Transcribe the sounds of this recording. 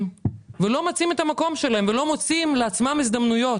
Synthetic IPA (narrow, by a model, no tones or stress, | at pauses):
velo̞mat͡simet̪amako̞mʃelaɦemvelo̞mo̞t͡simleat͡smamizd̪amnujo̞